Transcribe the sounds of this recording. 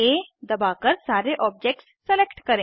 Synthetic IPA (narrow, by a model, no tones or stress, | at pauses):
ed̪ɐbakəɾsaːɾeʔɔːb̚d͡ʒek̚ʈsːelekʈkəɾẽ